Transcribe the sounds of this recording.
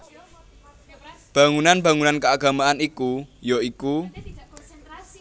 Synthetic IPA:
b̥a̤ŋunanba̤ŋunankəaɡa̤maʔanikujoiku

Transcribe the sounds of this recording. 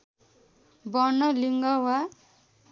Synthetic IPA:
bʌnʌliŋɡʌwa

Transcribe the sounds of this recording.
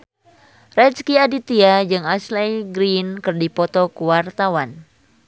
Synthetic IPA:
rɛt͡ʃkiadit̪iad͡ʒɨŋaslajɡɾinkɨrdipɔt̪ɔkuwart̪awan

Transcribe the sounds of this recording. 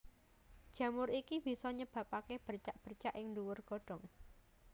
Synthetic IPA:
d̥ʒ̥a̤mʊɾikib̥i̤sɔɲəb̥a̤pakeb̥ərt͡ʃaʔb̥ərt͡ʃaʔɪŋnduwʊrɡ̥o̤ɖ̥ɔ̤ŋ

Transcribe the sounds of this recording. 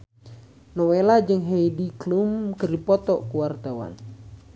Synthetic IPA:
nɔwelad͡ʒɨŋɦeidiklumkərdipɔt̪ɔkuwart̪awa̰n

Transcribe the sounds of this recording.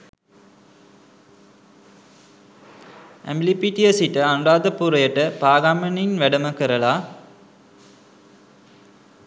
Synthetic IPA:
ḛmblipiʈiesiʈəanuɾaːd̪əpuɾɐjəʈəpaːɡaməninʋæɖəməkəɾəla

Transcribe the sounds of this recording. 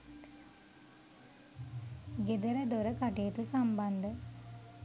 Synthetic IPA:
ɡed̪əɾəd̪oɾəkaʈijət̪usamband̪ə

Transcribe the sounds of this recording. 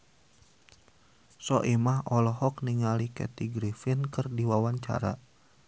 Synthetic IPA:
sɔʔimaɦɔlɔɦɔkniŋalikɛ̰t̪iɡɾifinkɨrdiwawaɲt͡ʃa̰ɾa̰

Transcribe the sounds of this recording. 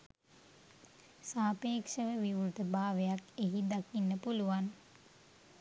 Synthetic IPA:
saːpeːkʂəʋəʋiʋɾut̪əbaːʋejakeɦid̪akinːəpuluʋan

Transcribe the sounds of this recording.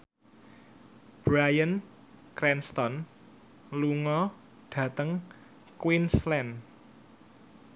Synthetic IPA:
b̥ɾajən | kɾɛnst̪ɔn | luŋɔ | ɖ̥ä̤t̪əŋ | kwinslɛn

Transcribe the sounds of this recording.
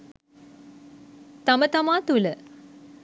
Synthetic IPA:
t̪ɐmət̪amaːt̪ulə

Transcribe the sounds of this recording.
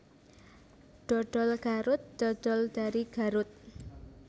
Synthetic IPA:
ɖ̥ɔɖ̥ɔlɡ̥aɾʊt̪̚d̥ɔɖ̥ɔ̤ld̥aɾiɡ̥aɾʊt̪̚

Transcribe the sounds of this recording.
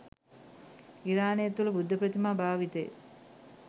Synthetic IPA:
iɾaːnejet̪ːulɐbud̪ʱːɐpɾət̪imaːbʱaːʋit̪ḛj̰

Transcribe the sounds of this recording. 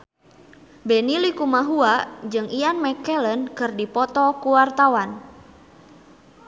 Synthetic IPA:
benilikumaɦuad͡ʒɨŋianmɛkɛlənkɨrdipɔt̪ɔkuwart̪awan

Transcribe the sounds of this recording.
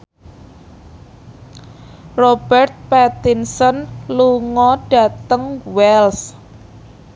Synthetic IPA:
rob̥ɛrt̪̚pɛt̪insɔnluŋɔɖ̥ä̤t̪əŋwɛls

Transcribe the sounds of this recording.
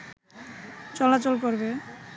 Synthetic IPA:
t͡ɕɔlat͡ɕolkoɾbe

